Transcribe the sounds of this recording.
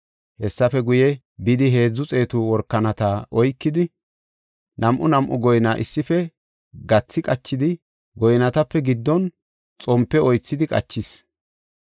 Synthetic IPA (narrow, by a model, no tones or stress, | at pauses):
hɛsːɐfɛɡʊjɛ | bɪd̪ɪɦe̞ːd͡zːʊt͡sʼe̞ːt̪ʊwɔɾkːɐnɐt̪aːʔɔjkːɪd̪ɪ | nɐmʔʊnɐmʔʊɡɔjnaːʔɪsːɪfɛ | ɡɐt͡sːɪkʼɐt͡ʃːɪd̪ɪ | ɡɔjnɐt̪ɐpːɛɡɪd̪ːɔn | t͡sʼɔmpːɛɔjt͡sːɪd̪ɪkʼɐ̰t͡ʃːɪs